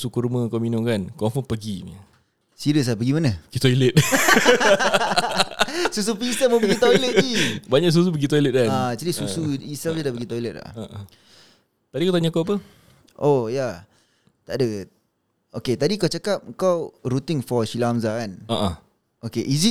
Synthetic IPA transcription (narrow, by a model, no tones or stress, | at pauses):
sukuɾumə̃kawminʊ̃ŋkankɔ̃fənpəɡimi | siɾəs̬apəɡimanəəɡit̪oilət̪̚ | sus̬upisəməbəɡit̪ɔjlət̪̚d͡ʒibaɲaʔs̬us̬upəɡit̪ojlət̪̚kanad͡ʒadisusuisəld͡ʒədaʔbəɡit̪ojlət̪̚la̰haʔa | t̪adikawt̪aɲakawap̬ə | ʔoja | t̪aʔdə | oket̪adikawt͡ʃakap̚kawɾut̪ɪŋfɔʃilamzakanaʔã | okeʔisit̚